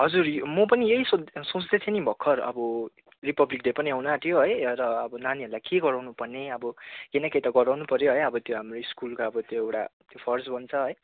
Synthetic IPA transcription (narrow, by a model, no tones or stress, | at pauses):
ɦʌd͡zurmʌpʌnijeɦisosõt͡sd̪et̪ʰenibʱʌkʰːʌrʌ̰bʌ | ripʌblik̚depʌniawnat̪ʰijoɦʌjɾʌːbʌnaniɦʌɾulajkeɡʌɾawnupʌrneʌbʌkenʌket̪ʌɡʌɾawnupʌɾjoɦʌjʌbʌt̪joɦamroiskulkoʌbʌt̪joewʈa̰t̪jopʰʌrsbʱʌnt͡sʰʌɦʌj